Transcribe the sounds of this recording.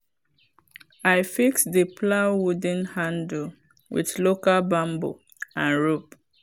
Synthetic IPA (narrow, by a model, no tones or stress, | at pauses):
aɪfiksdəplawud̃nhãnd̩ | wḭðlokalbãmbo̰ | ãnɹop